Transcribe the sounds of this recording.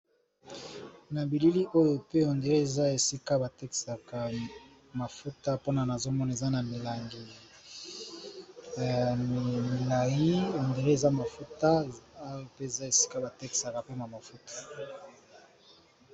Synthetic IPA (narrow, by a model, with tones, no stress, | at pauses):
na˨bi˨li˦li˦ʔo˦jo˨pe˦o˨nde˨ʁe˦e˨za˦e˨si˦ka˦ba˨te˦ki̥˨sa˨ka˨ | ma˨fu˦ta˦po˦na˨na˨zo˦mɔ˦na˨e˨za˦na˨mi˨la˨ŋɡi˨ | mi˨la˨ji˦o˨nde˨ʁe˦e˨za˦ma˨fu˦ta˦jo˨pe˦e˨za˦e˨si̥˦ka˦ba˨te˦ki̥˨sa˨ka˨pe˦na˨ma˨fu˦to̥˨